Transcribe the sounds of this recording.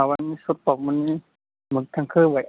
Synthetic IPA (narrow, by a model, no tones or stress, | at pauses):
awamiːsut̪̚pɔk̚muniː | mɯŋt̪ʰaŋkʰɯːbaj